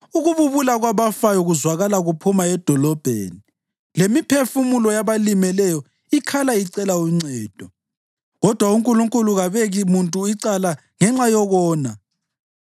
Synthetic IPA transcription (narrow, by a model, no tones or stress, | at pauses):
uɣuβuβulaɣwaβafajɔɣuzwaɣalaɣupʰumaɛd̥ʱɔlɔb̥ʱḛːni | lemipʰefumulɔjaβalimɛlɛjɔ | ikʰalaiǀɛlauŋ͡ǀɛːd̥ʱɔ | ɣɔd̥ʱwauŋkʼuluŋkʼuluɣaβɛɣimuntʼuiǀala | ŋɛŋ͡ǁajɔɣɔːna